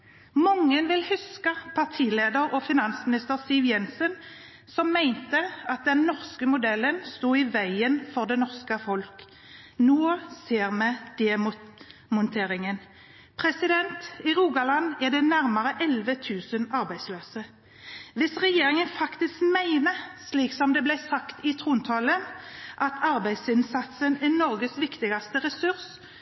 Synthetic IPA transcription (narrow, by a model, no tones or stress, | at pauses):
mɔŋːənʋɪlhʉskəpʰɑʁt̪ʰiːleːd̪əɾɔfɪnɑnsmɪnɪst̪əʁsiʋjɛnsən | sɔmːæɪnt̪əɑt̪̚d̪ɛnːɔʁskəmʊd̪ɛlːənst̪uːɪʋæɪənfɔʁd̪ɛnɔʁskəfɔlk | noːseːʁmɛd̪̥ɛmmʊnt̪ʰeːɾɪŋən | pʰʁɛsɪd̪ɛnt̪ɪʁuːɡɑlɑnɛd̪ɛnæʁmɑʁəʔɛlʋət̪ʰʉːsənɑʁbæɪd̪sløːsə | ʋɪsʁɛjeːɾɪŋənfɑkt̪ɪskmæɪnəsliːksɔmd̪ɛblæɪsɑkt̪ɪt̪ʰʁuːnt̪ʰɑlənʔɑt̪ʰɑɾbæɪd̪sɪnsɑt̪sənɛnɔɾɡəsʋɪkt̪ɪɡɑst̪əʁɛsʉʁs